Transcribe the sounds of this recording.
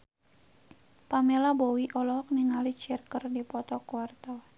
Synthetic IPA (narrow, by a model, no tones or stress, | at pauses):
pamelabɔwiʔɔlɔɦɔk̚ninalit͡ʃirkərdipɔt̪ɔkuart̪a